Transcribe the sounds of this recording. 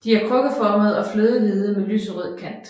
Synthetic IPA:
d̥iæɐkʰʁɔ̽ɡ̥əðfɒːməðˠɒ̽fløːðˠəlið̩ˠəmely̰ːsəʁið̰ˠn̩kʰæn̰d̥

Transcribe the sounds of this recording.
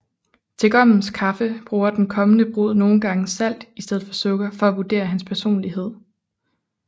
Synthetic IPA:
t͡sʰe̝ɡ̥ɒ̽m̰n̩skʰɑ̈fəb̥ʁuːɐd̥enkʰɒ̽mənəb̥ʁo̝ð̰ˠno̝ːn̩ɡ̥ɑ̈ŋəsæl̰d̥isd̥eð̞̰ˠfɒ̽sɔɡ̥ɐfɒ̽æʋuɐd̥e̝̰ːɐhænspʰæɐso̝̰ːnliɦe̝ð̞̰ˠ

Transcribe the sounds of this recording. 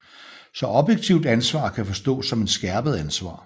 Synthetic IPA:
sɒ̽ʔɒ̽b̥jeɡ̥̚t͡sʰiʊd̥ænsʋɑ̰̈ːkʰæfɒ̽sd̥ɔ̰ːsɒ̽me̝d̥sɡ̥æɐb̥əð̞̩ˠænsʋɑ̰̈ː

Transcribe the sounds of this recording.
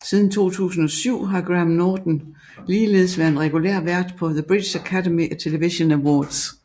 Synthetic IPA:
sið̞ˠn̩t͡sʰo̝̰ːt͡sʰṵːsn̩ɒ̽syʊ̰ɦɑ̈ɡ̥ʁæmnɔːd̥n̩ | liːle̝ːð̞̩ˠsʋæɐenʁɛɡ̥ulḛɐ̰ʋæɐd̥pʰɒ̽ðəb̥ʁid̥ɕækʰædemiʔæt͡sʰe̝ləʋiɕo̝næwɒːd̥s

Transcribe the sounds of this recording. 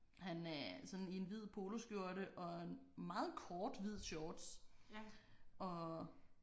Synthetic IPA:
hænæɐsɒ̽nie̝nʋið̞̰ˠpʰo̝ːlo̝sɡ̥jo̝ɐ̰ɾəʔɒ̽enmɑ̈ːð̞̩ˠkʰɒːd̥ʋið̰ˠɕɒːd̥s | ʔɒ̽

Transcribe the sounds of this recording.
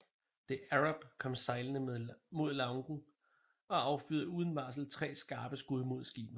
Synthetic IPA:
d̥eæʁab̥kʰɒ̽msɑ̈ɪlənəmo̝ð̞̰ˠlɑŋɡ̥n̩ | ɒ̽ɑ̈ʊfyːðˠəuːð̞ˠən̩ʋɑ̈ːs̬l̩t͡sʰʁɛ̰ːsɡ̥ɑ̈ːb̥əsɡ̥uðˠmo̝ð̞̰ˠsɡ̥ḭːb̥n̩ˠ

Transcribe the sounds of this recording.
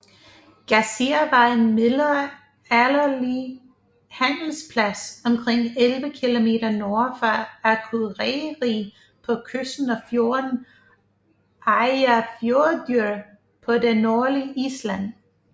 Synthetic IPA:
ɡ̥æsiɐʋɑ̈ɪn̩melɐ | ælɐli | hæn̰l̩spʰlæsɒ̽mkʰʁeŋ̰elʋəkʰilo̝me̝̰ːɾɐnoːfɑækʰuðˠʁɛʁiː | pʰɒ̽kʰøsn̩ɒfjo̝ɐn̩ | ʔɑɪɐfjoːɐd̥øɐ | pʰɒ̽denːo̝ːliʔislæn̰

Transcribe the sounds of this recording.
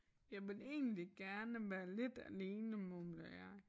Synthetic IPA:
jɑ̈ɪʋe̝le̝̰ːn̩liɡ̥æɐnəʋæːɐle̝d̥æ̰le̝ːnəmɔmlæ

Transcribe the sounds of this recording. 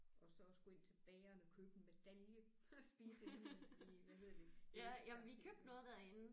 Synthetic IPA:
ʔɒ̽sɒ̽sɡ̥ue̝n̰t͡sʰe̝b̥ɛːɐnəɒkʰøːb̥ən̩med̥æljə | sb̥iːsəeniʋæɦe̝ð̰ˠɐd̥e̝jæjæmʋikʰøːb̥̚d̥nɔ̽ːð̩ˠd̥æɐe̝n̩

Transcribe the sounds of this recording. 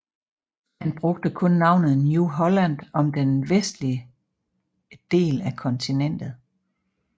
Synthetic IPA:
hænb̥ʁɔ̽ɡ̥̚d̥əkʰɔ̽nːɑ̈ʊ̰nð̞̩ˠnjuɦɒ̽læn̰d̥ɒ̽md̥enʋesd̥liə | d̥e̝̰ːlækʰɒ̽nt͡sʰinen̰d̥ð̩ˠ

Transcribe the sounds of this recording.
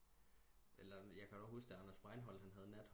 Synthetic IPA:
ʔelɐjɑ̈kʰæd̥u̥ɒ̥̽usd̥eɑnɐsb̥ʁɑ̈ɪnɦɒ̽l̰d̥hænɦæð̞̩ˠnæd̥h

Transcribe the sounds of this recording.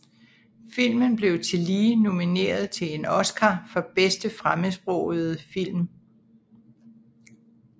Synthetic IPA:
fil̰mənb̥le̝ʊt͡sʰe̝liːno̝mine̝̰ːɐð̩ˠt͡sʰe̝le̝nɒ̽sɡ̥ʰafɒ̽b̥esd̥əfʁaməsb̥ʁɔʊð̩ˠfil̰m

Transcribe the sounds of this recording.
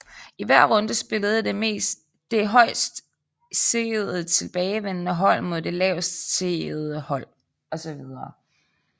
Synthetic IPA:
iʋæɐ̰ʁɔ̽nd̥əsb̥e̝ləð̞̩ˠəd̥e̝me̝̰ːs | d̥e̝ɦɒ̽ɪ̰sd̥ | seð̩ˠt͡sʰe̝lb̥ɛːɪʋen̰nəɦɒ̽l̰mo̝ð̞̰ˠd̥e̝lɛʊsd̥se̝ð̩ˠəhɒ̽l̰ | ɒ̽sɒ̽ʋið̞ˠɐː

